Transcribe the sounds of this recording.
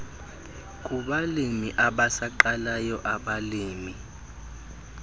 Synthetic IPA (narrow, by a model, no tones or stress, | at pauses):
k̬ʼuɓalimiʔaɓasaǃalajɔʔaɓaliːmi